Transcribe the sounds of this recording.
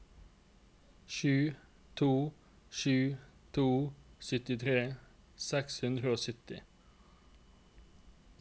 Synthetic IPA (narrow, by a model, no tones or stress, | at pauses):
ʃʉː | t̪ʰuː | ʃʉːt̪ʰuːsʏt̪ɪt̪ʰʁeː | sɛkshʉnd̪ʁəoːsʏt̪ɪ